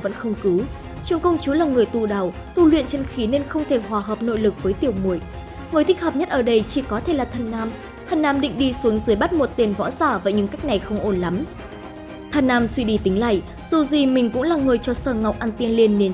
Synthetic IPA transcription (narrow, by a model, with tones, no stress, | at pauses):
və̰˧˥nxə˧wŋ͡mkɨ˨˦w | t͡ɕɨ˨˩əŋkə˧wŋ͡mt͡ɕu˨˦laː˨˩ŋɨ˨˩əjt̪u˧˩ɗa˨˩w | t̪u˧˩lwḭ˧˨ənt͡ɕe˧nxi˨˦ne˧nxə˧wŋ͡mt̪ʰe˧˩hwaː˨˩ɦəː˨˩p̚no̰˧˨jlɨ˨˩k̚vəː˨˦jt̪i˨˩əwmu˨˩əj | ŋ˨˩jt̪ï˦˥k̚həː˨˩p̚ɲə˦˥t̚ʔəː˧˩ɗə˧jt͡ɕi˧˩kɔ˨˦t̪ʰe˧˩laː˨˩t̪ʰə˨˩nːaː˧m | t̪ʰə˨˩nːaː˧˩mɗḭ˧˨ŋ̟ɗi˧su˨˦ŋzɨ˨˧əjɓa˦˥t̚mo˨˩t̚t̪e˧˩nvɔ̰˧˥zaː˧˩vaː˨˩ɲɨ̰˧˥ŋka˦˥jk̚na˨˩jxə˧wŋ͡mʔo˧˩nla˨˦m | t̪ʰə˨˧˩nːaː˧mswi˧ɗi˧˩t̪ï˨˦ŋ̟la̰ː˧˨j | z̥u˨˩zi˨˩mï˨˩ŋ̟kʊ̰˧˥ŋ͡mlaː˨˩ŋɨ˨˩əjt͡ɕɔ˧səː˧˩ŋa˨˩wk͡p̚ʔaː˧nt̪i˧ənli˧nːe˨˧n